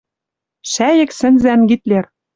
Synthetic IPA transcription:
ʃæjɘ̆ksɘ̆nzænɡit̪ler

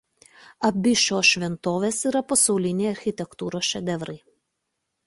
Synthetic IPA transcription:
ɐbʲɪʃʲoːʃʲʋʲɛnt̪oːʋʲeːsiːˑɾɐpɐsɐʊlʲɪnʲeɪɐɾʲxʲɪt̪ʲɛkt̪uːɾoːsʃʲɛd̪ʲɛʋɾɐɪ

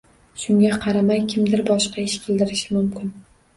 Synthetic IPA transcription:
ʃʊŋɡʲaqʰɑɾamajkʲʰɪmd̪ɪɾbɒʃqɑɪʃkʲʰɪld̪ɪɾɪʃɪmʊmkʲɪn

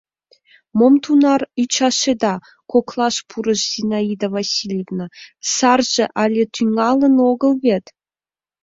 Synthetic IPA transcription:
momt̪unɑrit͡ɕɑʃed̪ɑ | koklˠɑʃpʰuɾɤ̆ʃzʲinɑid̪avasʲilʲevnasɑrʒĕʔɑlʲet̪ʰyŋɑlˠɤ̆noɡɤ̆lˠβʲet̪

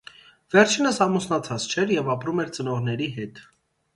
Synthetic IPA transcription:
vɛɾt͡ʃʰinəsɑmusnɑt͡sʰɑt͡st͡ʃʰɛɾjɛvɑpɾumɛɾt͡sənɔʁnɛɾiɦɛt̪

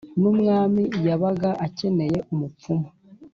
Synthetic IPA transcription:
numŋaːmijaβaɡaʔace̞ne̞je̞ʔumup͡fuma

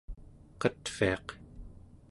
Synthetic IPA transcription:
qʌt̪fḭɑq

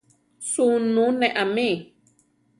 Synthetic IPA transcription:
sunũnẽʔamẽ

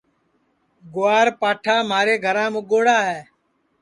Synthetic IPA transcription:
ɡʊaːɾpaːʈʰaːmaːɾeːɡʱəɾãːmʊɠoːɽaːɦɛː

